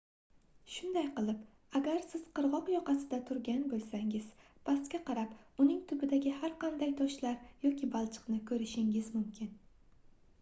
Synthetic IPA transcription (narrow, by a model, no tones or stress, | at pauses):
ʃʊnd̪ajqɨlˠɪp | aɡʲaɾsɪz̥qʰɨɾʁɒqjɒqɑsɪd̪at̪ʰʊɾɡʲanbolˠsaŋɪzpʰast̪kʲaqɑɾapʊnɪŋt̪ʰʊbɪd̪aɡʲɪhaɾqʰɑnd̪ajt̪ʰɒʃlaɾjɒkʲʰɪbalˠt͡ʃʰɨ̥qnɪkʰɵɾɪʃɪŋɪzmʊmkʲʰɪn